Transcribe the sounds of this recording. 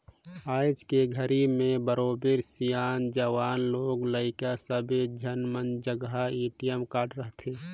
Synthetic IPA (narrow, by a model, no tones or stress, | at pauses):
aːɪd͡ʒkeɡʱəɾimẽbəɾoːbeɾsijaːnd͡ʒəʋaːnloːɡləɪkasəbed͡ʒənmənd͡ʒəɡaeːʈijəmkaːʈɾəɦt̪ʰeː